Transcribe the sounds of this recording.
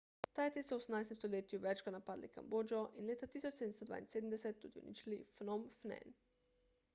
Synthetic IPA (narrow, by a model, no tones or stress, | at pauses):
t̪ajt̪isɔwosəmnaːjst̪emst̪oleːt̪juʋɛt͡ʃkanapaːd̪lika̰mboːd͡ʒɔʔinleːt̪at̪iːsɔt͡ʃseːd̪əmst̪ɔd̪ʋa̰ːinseːd̪əmd̪ɛsɛt̪ːṵd̪iṵnḭt͡ʃilifnomfnɛ̰n